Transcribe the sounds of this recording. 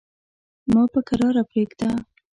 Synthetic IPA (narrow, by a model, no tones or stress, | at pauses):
mɑpəkaɾɑɾapɾeɡd̪a